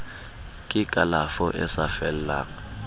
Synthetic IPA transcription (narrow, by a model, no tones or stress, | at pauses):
kʼɪkʼalafɔʔɛ̰safɛl̩la̰